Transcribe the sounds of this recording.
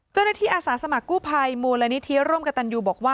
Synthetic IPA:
t͡ɕa˥˩wnaː˥˩t̪ʰiː˥˩ʔaː˧saː˩˦sa˧ma˨˩kːuː˥˩pʰa˧jmuː˧la˦˧˥ni˦˥t̪ʰi˦˥ɾuː˥˩mka˧t̪a˧njuː˧bɔː˨˩k̚waː˥˩

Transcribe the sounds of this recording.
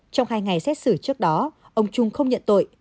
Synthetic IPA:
t͡ɕɔ˧wŋ͡mhaː˧jŋa˨˩jsɛ˦˥t̚sɨ˧˩t͡ɕɨ˦˥ək̚ɗɔ˨˦ | ʔə˧wŋ͡mt͡ɕʊ˧ŋ͡mxə˧wŋ͡mɲə̰˧˨nt̪o̰˧˨j

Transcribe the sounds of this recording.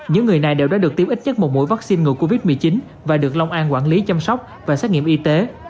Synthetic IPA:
ɲɨ̰˧˥ŋːɨ˨˩əjna˨˩jɗe˨˧˩wa̰ː˧˥ɗɨ˨˩ək̚t̪i˧mʔi˦˥k̚ɲə˦˥t̚mo˨˩t̚mṵ˧˥˦jva˦˥k̚si˧nŋɨ̰˧˩jko˧vi˦˥t̚mɨ˨˩əjt͡ɕi˨˦n | vaː˨˩ɗɨ˨˩ək̚la˧wŋ͡mʔaː˧nkwaː˧˩nli˨˦t͡ɕa˧msɔ˦˥wk͡p̚ | vaː˨˩sɛː˦˥k̚ŋi˧əmʔi˧t̪e˨˦

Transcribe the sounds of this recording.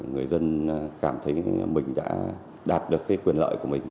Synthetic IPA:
ŋɨ˨˩əjzə˧nkaː˧˩mt̪ʰə˨˦jmï˨˩ŋ̟ɗa̰ː˧˥ | ɗaː˨˩t̚ɗɨ˨˩əkːaː˨˦jkwi˨˩ənlə̰ː˧˨jku˧˩əmï˨˩ŋ̟

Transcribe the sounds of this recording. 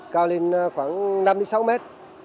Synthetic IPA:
kaː˧wli˧n˧xwaː˧˩ŋna˧mɗɨ˧˦sa˧wmɛ˦˥t̚

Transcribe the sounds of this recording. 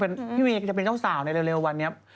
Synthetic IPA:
pe˧npʰiː˥˩i˧˩k̚t͡ɕa˨˩pe˧nt͡ɕaː˥˩wsaː˩˦wna˧jle˧wle˧wːa˧nːi˦˥ɐ

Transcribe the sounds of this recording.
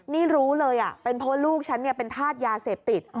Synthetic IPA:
niː˥˩ɾuː˦˥lɤː˧jʔa˨˩pe˧npʰɔ˦˥˧luː˥˩k̚t͡ɕʰa˦˥nːi˥˩pe˧nt̪ʰaː˥˩t̪̚jaː˧seː˨˩p̚t̪i˨˩t̪̚

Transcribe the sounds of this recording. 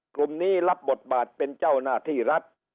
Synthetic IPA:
kɾu˧mniː˦˥˩la˦˥p̚bo˨˩t̪̚baː˨˩t̪̚pe˧nt͡ɕa˥˩wnaː˥˩t̪ʰiː˥˩ɾa˦˥t̪̚

